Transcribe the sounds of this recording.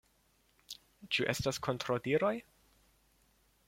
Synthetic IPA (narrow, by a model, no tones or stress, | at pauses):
t͡ʃuʔe̞staskʰontɾodiɾo̞j